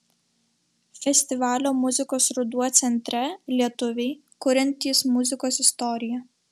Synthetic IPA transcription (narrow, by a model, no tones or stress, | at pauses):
fʲɛsʲt̪ʲɪʋɑːlʲoːmʊzʲɪkoːsɾʊd̪uɔt̪sʲɛnʲt̪ʲɾʲɛlʲiɛt̪ʊʋʲɛɪ | kʊɾʲɛnʲt̪ʲiːsmʊzʲɪkoːsɪst̪ɔɾʲɪjɛ